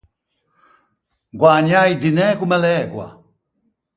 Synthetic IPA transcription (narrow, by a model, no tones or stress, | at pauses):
ɡwaɲaidinɛkumɛlɛːkwa̰